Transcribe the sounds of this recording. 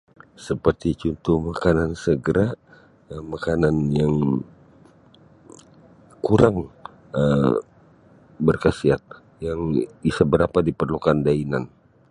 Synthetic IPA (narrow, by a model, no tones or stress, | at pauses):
səpərt̪it͡ʃunt̪uhmakanansəɡəɾa | makananjaŋ | kuɾaŋ | ə | bərkasiat̪̚ | jaŋbisabəɾapadipərlukandainan